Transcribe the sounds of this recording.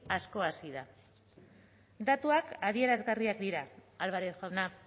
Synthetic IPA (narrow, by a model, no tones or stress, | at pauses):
asko̞asiða | d̪at̪uakaðie̞ɾazɣariakd̪iɾaːlβaɾexawna